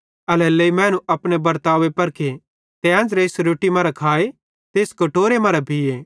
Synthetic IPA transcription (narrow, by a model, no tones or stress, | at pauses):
ɐlɛːleimɛ̃ːnũʔɐpɽ̃ebɐɾt̪aːʋepɐɾkʰe | t̪eãːnd͡ʒɾeɪsɾoːʈimɐɾakʰaːe | t̪eːskɐʈoːɾemɐɾabʱieː